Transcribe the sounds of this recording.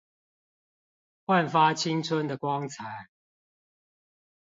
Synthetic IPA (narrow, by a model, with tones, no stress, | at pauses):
xwa˥˨nfa˦t͡ɕʰi˦ŋt͡sʰə˦nd̪ə˨kwɑ˦ŋt͡sʰa˨˦ɪ